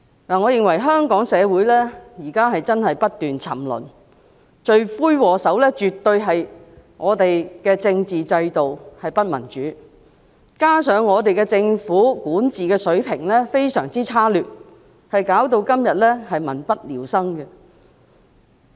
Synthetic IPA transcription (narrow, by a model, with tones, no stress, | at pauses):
laː˨˩ŋɔː˨˧jɪ˨ŋwɐ˨˩jɦœː˥ŋkɔː˨˥ŋsɛː˨˧wuː˨˥jlɛː˥jiː˨˩kaː˥ɦɐ˨jt͡sɐ˥nɦɐ˨jpɐ˥t̚t̪ːyː˨nt͡sʰɐ˨˩mlɵ̰˨˩n | t͡ʃɵ˧ɥfuː˥jwɔː˨˧sɐ˨˥wlɛː˥t͡ʃyː˨t̪ːɵ˧ɥɦɐ˨j | ŋʔɔː˨˧t̪e˨jkɛː˧t͡sɪ˧ŋt͡siː˨t͡sɐ˧jt̪o˨whɐ˨jpɐ˥t̚mɐ̰˨˩nt͡ʃyː˨˥ | kaː˥sœː˨˧ŋːɔː˨˧t̪e˨jkɛː˧t͡sɪ˧ŋfuː˨˥kuː˨˥nt͡siː˨kɛː˧sɵ˨˥ɥpʰɪ̰˨˩ŋlɛː˥fe˥jsœ̰ː˨˩ŋt͡siː˥t͡sʰaː˥lyː˨˩t̚ | hɐ˨jkaː˨˥wt̪o˧wkɐ˥mjɐ˨t̚lɛː˥hɐ˨jmɐ̰˨˩npɐ˥t̚liː˨˩wsɐ˥ŋkɛ˧